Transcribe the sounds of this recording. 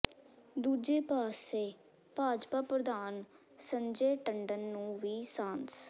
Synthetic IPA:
d̪uːd͡ʒeːpaːseː | paːd͡ʒpaːpɾəd̪aːn | səɲd͡ʒeːʈəɳɖənːũːʋiːsãːns

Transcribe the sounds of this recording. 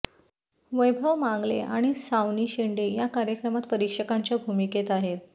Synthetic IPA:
ʋəjbʱəʋmaŋɡlḛʔa̰ɽ̃isaʋniːɕiɳɖejakaɾjəkɾəmat̪pəɾikʂəkaɲt͡ɕjabʱumiket̪aɦet̪

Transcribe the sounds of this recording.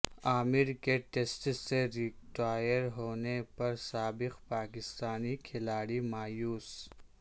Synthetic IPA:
aːmɪɾkeʈesʈseɾɪʈaːjəɾɦoːnepɐɾsaːbɪqpaːkɪst̪aːnikʰɪlaːɽimaːjuːs

